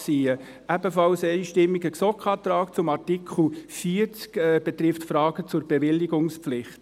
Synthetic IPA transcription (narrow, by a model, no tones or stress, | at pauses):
siːə | æbəfɑlsɛɪʃtɪmːiɡəksɔkχɑːt̪ɾɑːkt͡sʊmɑrtikʰχl̩fiːəɾt͡skɛb̥ɛt̪ɾɪftfɾɑːɡ̥ət͡sʊrb̥ɛʋɪlːiɡ̥ʊŋspflɪχt